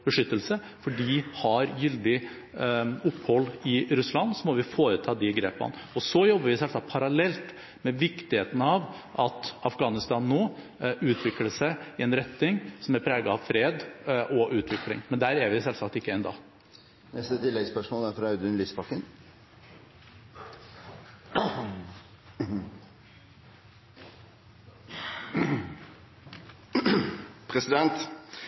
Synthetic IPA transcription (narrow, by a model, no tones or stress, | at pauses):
b̥əʂʏt̪ːəlsə | fɔɖihɑɾjʏld̪ɪ | ʊpːhɔlːɪɾʉslɑnːsɔmɔʋɪfoːɾət̪ʰɑːd̪ɪɡɾeːpɑ̰nɔsɔjɔbːəɾʋɪsɛlsɑk̚t̪pʰɑɾɑlɛlt̪ | mɛʋɪkt̪ɪheːt̪ənəɑʋʔɑt̪ɑfɡɑːnɪst̪ɑːnːoː | ʉːt̪ʰʋɪkləʂæɪɪɛnɾɛt̪nɪŋsɔmæɾpʰɾeːɡɑɑʋfɾeːd̪ʔɔʔʉːt̪ʰʋɪklɪ̰ŋmɛnd̪æːɾæɾʋɪsɛlsɑkt̪ɪkːəɛnd̪ɑ̰ː | nɛst̪ət̪ʰɪlːɛɡspœʂmoːlæɾfɾɑɑʉd̪ʉnlispʰɑkːən | pʰɾɛsɪd̪ɛnt̪